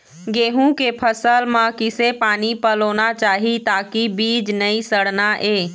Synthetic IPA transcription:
ɡeːɦũkepʰəsəlmãkɪsepaːnipəloːnat͡ʃaːɦit̪aːkibiːd͡ʒnəisəɽnaʔeː

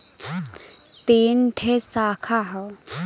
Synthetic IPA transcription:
t̪enʈʰesakʰaɦə

